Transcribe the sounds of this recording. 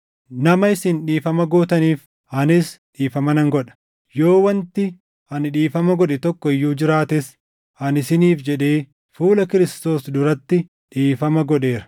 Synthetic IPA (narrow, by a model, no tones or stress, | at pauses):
nɐmɐɪsɪnᶑiːfɐmɐɡoːt̪ɐniːf | ɐnɪsᶑiːfɐmɐnɐŋɡɔᶑɐ̥ | jo̞ːwɐnt̪ɪ | ɐnɪᶑiːfɐmɐɡɔɗɛt̪ɔkːɔɪjːuːd͡ʒɪɾaːt̪ɛs | ɐnɪsɪniːfd͡ʒɛᶑe̞ː | fuːlɐkɪɾɪst̪o̞ːsd̪ʊɾɐt̪ːɪ | ᶑiːfɐmɐɡɔᶑe̞ːɾɐ̥